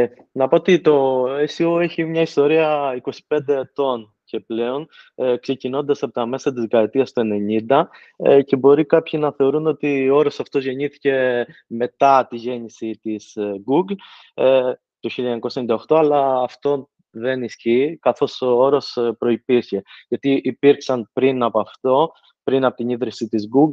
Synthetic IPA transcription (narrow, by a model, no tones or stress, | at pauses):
nɐpo̞ot̪it̪o̞esioeçimɲɐist̪o̞ɾiɐiko̞si̥pe̞nd̪e̞ːt̪o̞n | ce̞ple̞o̞n | kse̞cino̞nd̪ɐsɐpot̪ɐme̞sɐt̪̬izɡɐɾt̪iɐst̪oe̞ne̞ɲind̪ɐ | ce̞bo̞ɾikɐpçinɐθe̞oɾuno̞t̪ioo̞ɾo̞sɐft̪o̞zʝe̞ɲiθi̥ce̞me̞t̪ɐt̪iʝe̞nisit̪isɡuɡl | t̪oçiʎɐɲɐɲɐkosɐenid̪ɐo̞xt̪o̞ɐlɐːft̪o̞ | ðe̞nisçiːkɐθo̞sooɾo̞spɾo̞ipiɾçe̞ʝɐt̪iʔipiɾksɐnpɾinɐpɐft̪o̞ | pɾinɐpot̪iniðɾisit̪izɡuɡ